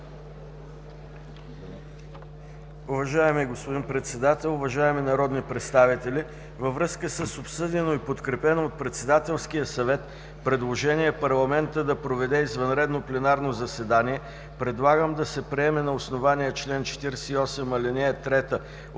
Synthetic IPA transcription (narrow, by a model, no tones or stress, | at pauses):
ʊvɐʒaɛmiɡospʊd̪inpɾɛt̪sɛd̪at̪ɛlˠʊvɐʒaɛminɐɾɔd̪nipɾɛt̪st̪avit̪ɛli | vəvɾɤskəsəsopsɤd̪ʲɛnoipot̪kɾɛpɛnoːt̪̚pɾɛt̪sɛd̪at̪ɛlˠsk̟ijəsɐvɛt̪ | pɾɛd̪lˠoʒɛnʲiɛpɐɾlˠɐmɛnt̪əd̪ɐpɾovɛd̪ɛizvɐnɾɛd̪noplɛnaɾnozɐsɛd̪aniɛ | pɾɛd̪lˠaɡəmd̪ɐsɛpɾiɛmɛnɐosnovaniɛt͡ʃlɛnt͡ʃɛ̥t̪iɾɛsɛiɔsɛmɐlʲɛnʲɛt̪ɾɛt̪ə